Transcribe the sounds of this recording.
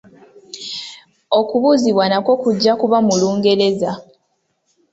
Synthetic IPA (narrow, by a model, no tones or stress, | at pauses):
o̞kuβuziβwanakwo̞kuɟːakuβamuluːŋɡe̞ɾe̞za